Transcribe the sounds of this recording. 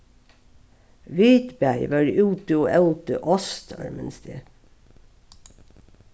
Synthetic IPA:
ʋiːt̪bæɪʋɑːɾʔʉːt̪əoːʔɛlt̪əʔɔst̪ʰɑ̰ɹmənst̪ḛː

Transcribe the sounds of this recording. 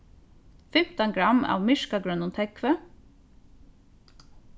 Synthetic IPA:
fɛmt̪ənɡɹɑmɑ̰ːʋmɪʃkɑɡɹœnʊnt̪ʰɛkʰʋə

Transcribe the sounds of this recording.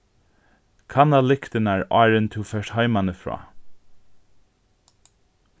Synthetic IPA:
kʰanalɪkt̪ɪnaɹɑ̰ːɹənt̪ʰɪfɛːʂʈhaɪmanəfɹɔ̰ː

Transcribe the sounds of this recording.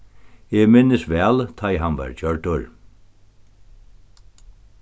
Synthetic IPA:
ɛɣmɪnɪsʋɛːlt̪ʰajɦanʋa̰ɹt͡ʃœɹʈʊɹ

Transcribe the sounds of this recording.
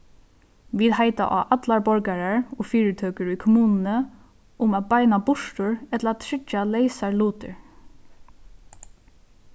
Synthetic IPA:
ʋiːðhɦaɪt̪a̰ʔa̰ːʔat̪laɹbɔɹkaɹaɹɔːfiːɹɪt̪ʰøːkəɹikʰʊmuːnnə | ʊmaːt̪̚baɪnabʊʂʈʊɹɛt̪ləaːt̪ʰɹɪt͡ʃːalɛɪsaɹluːt̪ɪ̰ɹ

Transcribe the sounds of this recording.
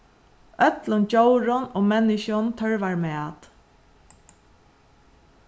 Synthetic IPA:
œt̪lənt͡ɕowɾʊnoːmɛnːɪʃʊnt̪ʰœɹʋaɹmɛːt̪

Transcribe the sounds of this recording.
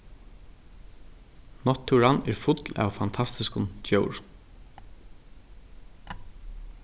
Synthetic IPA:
nɔt̪ʰːuɹanɛɹfʊt̪lɑ̰ʋfant̪ʰast̪ɪskʊnt͡ɕœwɹ

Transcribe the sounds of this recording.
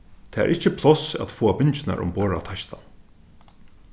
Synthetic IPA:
t̪ʰɛːɛ̰ɾʔɪt͡ʃːəpʰlɔsa̰t̪foːabɪnt͡ʃɪna̰ɾʔʊ̰mboːɹat̪ʰaʃt̪a

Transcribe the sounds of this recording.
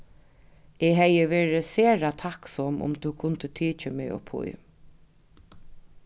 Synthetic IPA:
ɛɦɛjəʋeːɹɪseːɹat̪ʰaksɔmʔʊ̰mt̪ʰukʰʊnt̪ət̪ʰiːt͡ʃəmɪ̰ɔ̰pʰʊ̰j

